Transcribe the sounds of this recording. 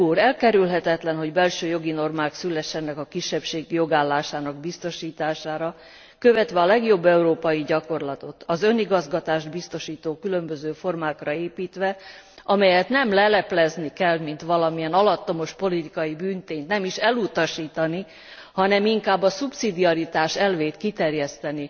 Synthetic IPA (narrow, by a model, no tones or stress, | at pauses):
uːɾɛlkɛɾylɦɛt̪ɛt̪lɛnɦo̞ɟbɛlʃøːjo̞ɡino̞rmaːksylːɛʃːɛnːɛkɒkiʃːɛpʃeːɡjo̞ɡaːlːaːʃaːnɒɡbist̪o̞ʃiːt̪aːʃaːɾɒ | køvɛt̪ʋɛɒlɛɡjo̞bːɛuɾoːpɒjiɟɒko̞rlɒt̪o̞t̪ɒzø̞niɡɒzɡɒt̪aːʒd̪bist̪o̞ʃiːt̪oːkylø̞mbø̞zøːfo̞rmaːkrɒeːpiːt̪ʋɛʔɒmɛjɛt̪nɛmlɛlɛplɛznikɛlmint̪ʋɒlɒmijɛnɒlɒt̪ːo̞mo̞ʃpo̞lit̪ikɒjibyːnt̪eːnt̪nɛmiʃɛlut̪ɒʃiːt̪ɒni | hɒnɛmiŋkaːbːɒsupsid̪iɒɾit̪aːʃɛlveːt̪kit̪ɛrjɛst̪ɛni